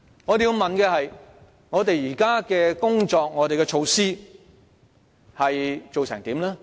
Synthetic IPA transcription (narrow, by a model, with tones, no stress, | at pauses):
ŋɔː˨˧t̪ji˧wmɐ˨nkɛː˧hɐ˨j | ŋɔː˨˧t̪e˨jjiː˨˩kaː˥kɛː˧kʊ˥ŋt͡ʃɔː˧k̚ŋɔː˨˧ɾe˨jkɛː˧t͡ʃʰo˧wsiː˥ | hɐ˨jt͡so˨wsɪ̰˨˩ŋt̪iː˨˥mlɛː˥